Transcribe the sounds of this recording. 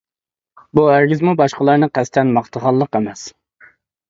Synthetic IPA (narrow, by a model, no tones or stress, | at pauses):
buæɾɡʲɪzmubɑʃqəlˠɑɾnɨqʰɛst̪ʰɛnmɑχt̪ʰəʁɑlˠːəqemɛs